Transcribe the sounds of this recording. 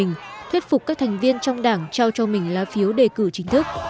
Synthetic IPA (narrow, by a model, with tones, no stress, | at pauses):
ŋ̟t̪ʰwi˦˥t̚fʊ˨˩k͡p̚kaː˦˥k̚t̪ʰa˨˩ŋ̟vi˧ənt͡ɕɔ˧wŋ͡mɗaː˧˩ŋt͡ɕa˧wt͡ɕɔ˧mï˨˩ŋ̟laː˨˦fi˨˦əwɗe˨˩kɨ̰˧˨t͡ɕï˨˦ŋ̟t̪ʰɨ˦˥k̚